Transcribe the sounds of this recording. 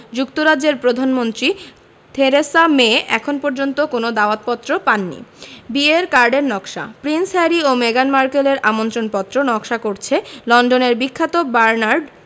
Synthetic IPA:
d͡ʑukt̪oɾadd͡ʑːeɾpɾod̪ʱanmont̪ɾi | t̪ʰeɾesameɛkʰonpoɾd͡ʑont̪okonod̪aoat̪̚pɔt̪ːɾopanːḭbieɾkaɾɖeɾnɔkʃa̰pɾinsɦɛɾiomeɡanmaɾkeleɾʔamont̪ɾonpɔt̪ːɾonɔkʃakoɾt͡ɕʰelɔnɖoneɾbikʰːat̪obaɾnaɾɖ

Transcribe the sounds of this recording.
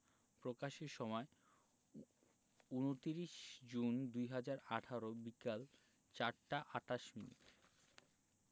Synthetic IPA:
pɾokaʃeʃɔmɔe | unot̪iɾiʃd͡ʑund̪ujɦad͡ʑaɾaʈʰaɾobikal | t͡ɕaɾʈaʔaʈaʃminḭʈ

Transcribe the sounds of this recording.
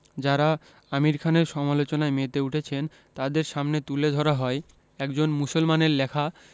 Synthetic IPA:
d͡ʑaɾa | amiɾkʰaneɾʃɔmalot͡ɕonaemet̪euʈʰet͡ɕʰen | t̪ad̪eɾʃamnet̪uled̪ʱɔɾaɦɔe | ɛkd͡ʑonmusolmaneɾlɛkʰa

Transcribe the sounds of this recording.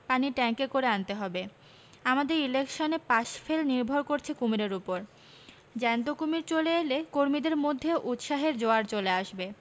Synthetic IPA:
paniʈɛŋkekoɾeant̪eɦɔbe | amad̪eɾilekʃonepaʃfelniɾbʱoɾkoɾt͡ɕʰekumiɾeɾupoɾ | d͡ʑɛnt̪̬okumiɾt͡ɕoleelekoɾmid̪eɾmod̪ʱːeʔut̪ʃaɦeɾd͡ʑoaɾt͡ɕoleaʃbe

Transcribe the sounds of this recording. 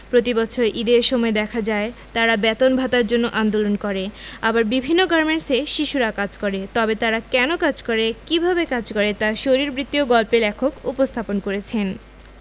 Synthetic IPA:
pɾot̪ibɔt͡ɕʰoɾʔid̪eɾʃɔmɔed̪ɛkʰad͡ʑaet̪aɾabɛt̪onbʱat̪aɾd͡ʑonːoʔand̪olonkɔɾeabaɾbibʱinːoɡɔɾmeɳʈseʃiʃuɾakad͡ʑkɔɾet̪ɔbet̪aɾakɛnokad͡ʑkɔɾekibʱabekad͡ʑkɔɾet̪aʃoɾiɾbɾit̪ːioɡɔlpelɛkʰokupost̪ʰaponkoɾet͡ɕʰen

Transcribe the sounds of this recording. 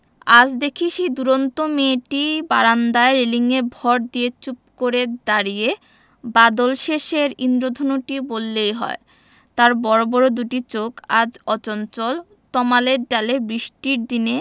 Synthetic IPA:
ad͡ʑd̪ekʰiʃejd̪uɾont̪omeʈibaɾand̪aeɾeliŋebʱɔɾd̪iet͡ɕup̚koɾed̪aɾije | bad̪olʃeʃeɾind̪ɾod̪ʱonoʈibolːejɦɔ̰e | t̪aɾbɔɾobɔɾod̪uʈit͡ɕokad͡ʑɔt͡ɕont͡ɕol | t̪ɔmaleɖalebɾiʃʈiɾd̪ine

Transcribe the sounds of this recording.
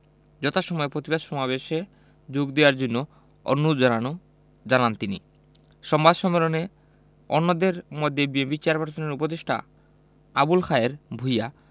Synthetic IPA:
d͡ʑɔt̪ʰaʃɔmɔepɾot̪ibad̪ʃɔmabeʃe | d͡ʑoɡd̪ewaɾd͡ʑonːo | ɔ̰nːud͡ʑanano | d͡ʑanant̪inḭ | ʃɔmbad̪ʃɔmːelone | ɔnːod̪eɾmɔd̪ʱːebiempit͡ɕeaɾpaɾt̪ʰoneɾupod̪eʃʈʰa̰ | abulxʰaeɾbʱuja

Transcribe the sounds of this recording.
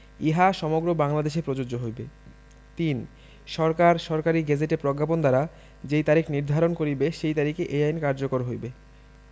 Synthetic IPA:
iɦaʃɔmoɡɾobaŋlad̪eʃepɾod͡ʑod͡ʑoɦojbe | t̪in | ʃɔɾkaɾʃɔɾkaɾiɡɛd͡ʑeʈepɾoɡːapond̪aɾa | d͡ʑejt̪aɾikniɾd̪ʱaɾonkoɾibeʃejt̪aɾikeʔejajnkaɾd͡ʑokoɾɦojbe

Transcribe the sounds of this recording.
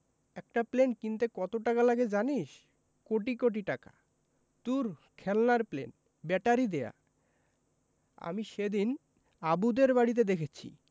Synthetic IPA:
ɛk̚ʈaplenkint̪ekɔt̪oʈakalaɡed͡ʑaniʃ | koʈikoʈ̬iʈaka̰ | t̪uɾkʰɛlnaɾplḛn | bɛʈaɾid̪eja̰ | a̰miʃed̪in | abud̪eɾbaɽit̪̬ed̪ekʰet͡ɕʰḭ

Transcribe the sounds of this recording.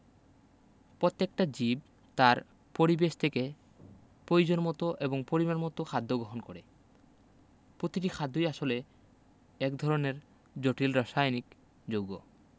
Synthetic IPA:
pɾot̪ːekʈad͡ʑib̚ | t̪aɾ | poɾibeʃt̪ʰeke | pɾojud͡ʑonmɔt̪oʔeboŋpoɾimaɾmɔt̪okʰad̪ʱːoɡɾoɦonkoɾe | pɾot̪iʈikʰad̪ʱːojaʃole | ɛkd̪ʱɔɾoneɾ | d͡ʑoʈilɾɔʃajnik | d͡ʑoɡo̰

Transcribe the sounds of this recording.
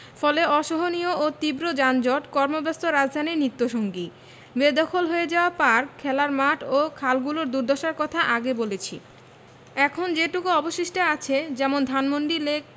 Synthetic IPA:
fɔleɔʃoɦonioot̪ibɾod͡ʑand͡ʑɔʈkɔɾmobɛst̪oɾad͡ʑd̪ʱaniɾnit̪ːoʃoŋɡi | bed̪ɔkʰolɦoed͡ʑaoapaɾkʰːɛlaɾmaʈʰokʰalɡuloɾd̪uɾd̪ʱɔʃaɾkɔt̪ʰaʔaɡebolet͡ɕʰḭ | ɛkʰond͡ʑeʈukuɔboʃiʃʈaat͡ɕʰed͡ʑɛmond̪ʱanmoɳɖilek̚

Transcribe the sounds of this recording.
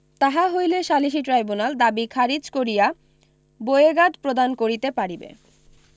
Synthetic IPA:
t̪aɦaɦojleʃaliʃ̬iʈɾajbunald̪abikʰaɾid͡ʑkoɾija | bojeɡad̪pɾod̪ankoɾit̪epaɽibḛ

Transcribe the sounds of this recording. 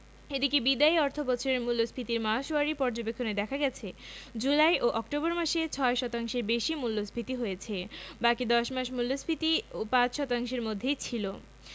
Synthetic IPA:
ed̪ikebid̪aiɔɾt̪ʰobɔt͡ɕʰoɾeɾmulːosbʰʱit̪iɾmaʃoaɾipɔɾd͡ʑobekʰːoned̪ɛkʰaɡɛt͡ɕʰed͡ʑulajʔoʔɔk̚ʈobɔɾmaʃet͡ɕʰɔeʃɔt̪aŋʃeɾbeʃimulːospʰit̪iɦojet͡ɕʰebakid̪ɔʃmaʃmulːosbʰit̪iopãt͡ɕʃɔt̪aŋʃeɾmod̪ʱːejt͡ɕʰilo

